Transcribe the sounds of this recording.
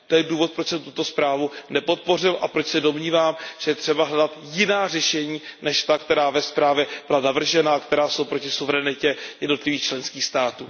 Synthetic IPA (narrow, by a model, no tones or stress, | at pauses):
t̪ojɛduːvo̞t̪̚pɾot͡ʃsɛmt̪u̥t̪o̞spɾaːvunɛpo̞t̪̚po̞r̝ɪlʔapɾot͡ʃsɛdo̞mɲiːvaːmʒ̥ɛjɛt̪r̝̥ɛbaɦlɛdat̪jɪnaːr̝ɛʃɛɲiːnɛʃt̪akt̪ɛɾaːvɛspɾaːvjɛbɪlanavr̩ʒɛnakt̪ɛɾaːso̞wpɾo̞cɪsuvɛɾɛnɪcɛjɛdno̞t̪lɪviːxt͡ʃlɛnskiːxst̪aːt̪uː